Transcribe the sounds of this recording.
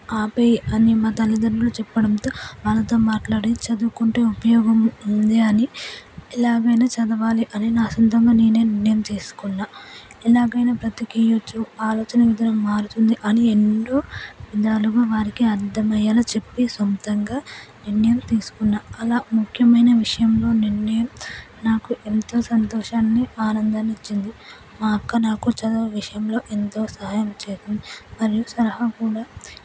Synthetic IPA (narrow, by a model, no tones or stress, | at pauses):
aːpejiɐnimaːt̪ɐlːid̪ɐɾbuloːt͡ʃɛpːɐɽɐmt̪oːʋɐlːɐt̪oːmaːʈlaːɽet͡ʃɐd̪ukuɳʈeːupɐjɔːɡɐmnd̪iɐniɛlaːɡɐjnaːt͡ʃɐd̪ɐʋaːliʔɐninaːsɐnt̪ɐmɡaːneːne̞ːniɾnːɐjɐmt͡ʃe̞ːsu̥kunːaːɛlaːɡɐjnaːpɾɐt̪ikijot͡ʃːuaːloːt͡ʃɐnɐʋid̪ʱɐnɐmmaːɾut̪und̪iʔɐnienːoːʋid̪aːluɡuʋaːɾikiɐɾd̪ʱɐmɐjaːlɐt͡ʃe̞pːisomt̪ɐŋɡaːniɾnɐjɐmt̪iːsu̥kunːaːɐlaːmukʰjɐmɐjnɐʋiʂɐjɐmlo̞ːniɾnɐjɐm | naːkuʔe̞nt̪o̞ːsɐnt̪oːʃaːnːiʔaːnɐnd̪ɐnit͡ʃːind̪i | maːkːɐnaːkut͡ʃɐd̪ɐʋiʂɐjɐmlo̞ːʔe̞nt̪o̞ːsɐɦaːjɐmt͡ʃeːt̪ɐnimɐɾijusɐlɐɦɐkuːɽaː